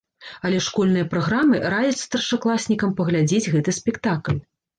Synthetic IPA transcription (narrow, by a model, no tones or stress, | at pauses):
ɐlʲɛʂkɔlʲnɨjɐpɾaɣɾamɨɾajɛt̪sst̪ɐrʂaklˠasʲnʲikɐmpɐɣlʲad͡zʲɛd͡zʲɣɛt̪ɨsʲpʲɛkt̪aklʲ